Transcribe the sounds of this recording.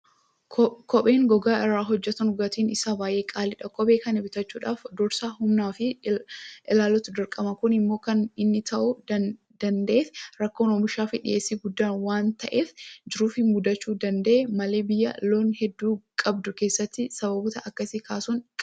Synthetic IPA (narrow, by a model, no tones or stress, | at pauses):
kɔɓe̞ːŋɡɔɡaːʔɪɾːaːɦɔd͡ʒːɛt̪ɐnʊɡɐt̪iːnɪsaːbaːjʔe̞ːkʼaːlɪᶑɐkʼɔbe̞ːkɐnɪbɪt̪ɐt͡ʃːuːᶑaːfd̪ɔɾsaːhʊmnaːfɪ | ʔɪlaːlːɔt̪ʊd̪ɪɾkʼɐmɐkʊnɪmːo̞ːkɐnɪnːɪt̪ʰɐʔʊ | d̪̥ɐnd̪ɐʔeːfɾɐkːoːnoːmɪʃaːfɪᶑɪ̰ʔe̞ːsːiɡʊd̪ːaːnwaːnt̪ɐʔeːfd͡ʒɪɾuːfɪmʊd̪ɐt͡ʃːuːd̪ɐnd̪ɐʔɛmɐle̞ːbɪjːɐ̰lo̞ːnhɛd̪ːuːkʼɐbd̪ʊke̞ːsːɐt̪ːɪsɐβɐbɔt̪ɐʔɐkːɐsɪkʰaːsuːŋkʼ